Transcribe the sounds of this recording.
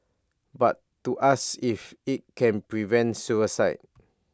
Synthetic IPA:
ba̰tːuʔasifit̚kʰɛ̃npɹivɛ̃ntsuəsa̰ɪt̚

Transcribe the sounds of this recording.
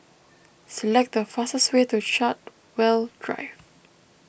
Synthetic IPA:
səlɛk̚t̚dəfastəswetuʃat̚ | wɛldɹa̰ɪv

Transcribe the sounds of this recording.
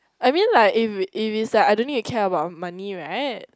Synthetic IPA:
ʔaɪmĩnlaɪkɪfʔɪfisɛaɪdõnːiftukʰɛəbaʊt̚maniɹaɪt̚

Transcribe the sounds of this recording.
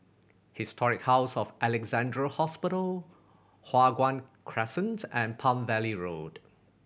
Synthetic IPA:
hɪstʰɔɹɪk̚haʊsɔfʔɛlɛkzãndɹəhɔspɪɾəl | hwaɡwãnkʰɹɛsə̃nsɛ̃npʰãmvɛliɹod̥

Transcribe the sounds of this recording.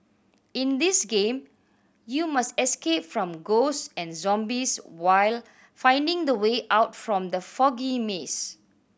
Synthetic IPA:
ɪ̃ndisɡẽm | jumastɛskep̚fɹɔ̃mɡossɛ̃nzɔ̃mbiswaɪl | fãɪ̃ndɪ̃ŋdəweʔaʊtfɹɔ̃md̪əfɔɡimes

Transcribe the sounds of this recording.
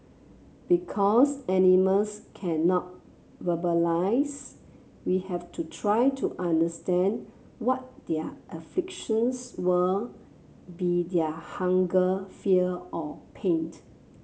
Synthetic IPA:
b̥ikʰɔsɛniməlskʰɛ̃nɔt̚ | vəbəlaɪs | wihɛftʰutʰɹajtʰuʔãndəstɛ̃n | wɔt̚dɛʔəflɪkʃə̃nswə | bidɛhãŋɡəfiəɔpʰẽnt

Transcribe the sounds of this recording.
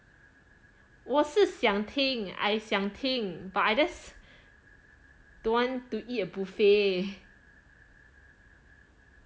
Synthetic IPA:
wɔsəsjãŋt̪ʰɪ̃ŋa̰jsjãŋt̪ʰɪ̃ŋbaajdəs | d̥ãntuʔitəbufe

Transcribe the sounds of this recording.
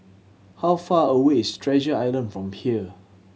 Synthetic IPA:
hawfaəweɪstʰɹɛd͡ʒəajlə̃nfɹɔ̃mhiə

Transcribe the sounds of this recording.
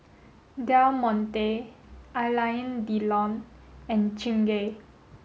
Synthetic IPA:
damɔ̃nt̪ealajə̃ndilɔ̃nɛ̃nt͡ʃĩŋɡe

